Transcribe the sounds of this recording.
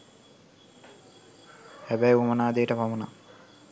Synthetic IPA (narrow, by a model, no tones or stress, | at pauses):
hæbɛjumənaːd̪ejəʈəpaməna̰